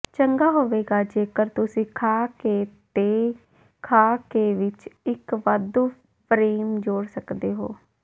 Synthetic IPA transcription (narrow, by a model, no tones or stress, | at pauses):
t͡ʃəŋɡaːɦoːʋeːɡaːd͡ʒeːkəɾt̪ʊsĩːkʰaːkeːt̪eː | kʰaːkeːʋɪt͡ʃɪkʋəd̪uː | pʰɾeːmd͡ʒoːɽsəkd̪eːɦo̰ː